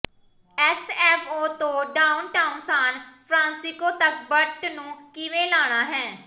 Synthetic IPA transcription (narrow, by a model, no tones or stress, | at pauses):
ɛːsɛːpʰoːt̪õːɖaːʊnʈaːʊnsaːnpʰɾãːnsɪkoːt̪ək̚bəʈnũːkɪʋẽːlaːɽ̃aːɦɛː